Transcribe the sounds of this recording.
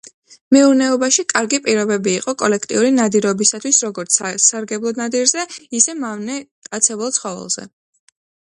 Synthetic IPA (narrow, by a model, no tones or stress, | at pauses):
mɛuɾnɛɔbaʃikʼaɾɡipʼiɾɔbɛbiːqʼɔkʼɔlɛkʰt̪ʼḭuɾinad̪iɾɔbisat̪ʰwisɾɔɡɔɾt̪sʰssaɾɡɛblˠɔd̪nad̪iɾzɛisɛmavnɛ | at̪sʰɛbɛlˠt̪sʰχɔvɛ̰lˠz̥ɛ̰